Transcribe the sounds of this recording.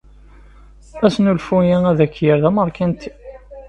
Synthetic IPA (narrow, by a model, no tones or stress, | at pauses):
æsnulfujææðækːjəɾðæməɾˤkʰænt̪i̥